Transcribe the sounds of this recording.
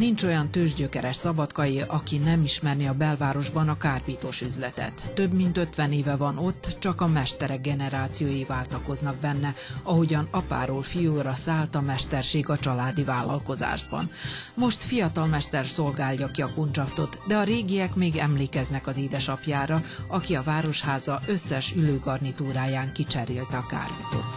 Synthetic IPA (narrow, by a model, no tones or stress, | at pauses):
nint͡ʃo̞jɒnt̪øːʒɟøkɛɾɛʃsɒbɒt̪kɒjiʔɒkinɛmiʃmɛrniɒbɛlvaːɾo̞ʒbɒnɒkaːrpiːt̪oːʃyzlɛt̪ɛ̰t̪ːø̞bmint̪øt̪ʋɛneːvɛvɒno̞t̪ːt͡ʃɒkɒmɛʃt̪ɛɾɛɡːɛnɛɾaːt̪sijoːjivaːlt̪ɒko̞znɒɡ̚bɛnːɛɒɦo̞ɟɒnɒpa̰ːɾoːlfijoːɾɒsaːlt̪ɒmɛʃt̪ɛrʃeːɡɒt͡ʃɒlaːd̪ivaːlːɒ̰lko̞za̰ːʒbɒ̰nmo̞ʃt̪fijɒt̪ɒlmɛʃt̪ɛrso̞lɡaːljɒkiɒkont͡ʃɒft̪o̞t̪d̪ɛɒɾeːɡijɛkmeːɡɛmleːkɛznɛkɒziːd̪ɛʃɒpjaːɾɒɒkiɒvaːɾo̞ʃhaːzɒʔø̞sːɛʃyløːɡɒrnit̪uːɾaːjaːŋkit͡ʃɛɾeːlt̪ɛɒka̰ːrbut̪o̰ː